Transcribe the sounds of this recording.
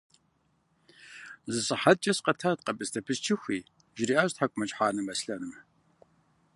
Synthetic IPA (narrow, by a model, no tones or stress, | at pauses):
zɨsʼɨħad̚t͡ʃʼɐsqɐtʰaːt̚qɐbʼɨstʰɐpʰɨst͡ʃʰɪxʷiː | ʒɾiːʔaːɕtħakʷʼmɐt͡ʃʼħaːnɨmɐsɬɐnɨm